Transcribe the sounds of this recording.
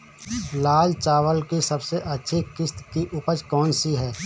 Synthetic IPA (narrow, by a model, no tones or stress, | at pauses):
laːlt͡ʃaːwəlkisɐbseʔɐtːʃʰikɪst̪kiʔʊpət͡ʃkɔːnsiɦɛː